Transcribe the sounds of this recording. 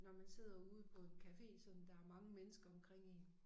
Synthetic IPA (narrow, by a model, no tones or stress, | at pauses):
nɒmænse̝ð̞̰ˠɐuːð̞̩ˠpʰɒ̽e̝nkʰæfe̝̰ːsɒ̽md̥ɑ̈æɐmɑ̈ŋəmenəsɡ̥ɐɒ̽mkʰʁeŋ̰in